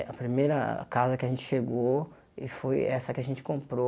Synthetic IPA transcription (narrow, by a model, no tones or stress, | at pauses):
ɐpɾimejɾɐ̰kazɐkɪɐʒẽnt͡ʃɪ̥ʃeɡo | ɪ̰fojɛsɐkɪɐʒẽnt͡ʃɪ̥kõmpɾo